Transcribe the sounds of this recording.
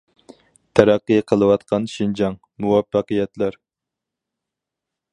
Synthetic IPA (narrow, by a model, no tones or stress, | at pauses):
t̪ʰæɾæqːɨqʰəlˠɨwɑt̪̚qʰɑnʃind͡ʒɑŋ | muwɑfːɑqəjɛt̪læɾ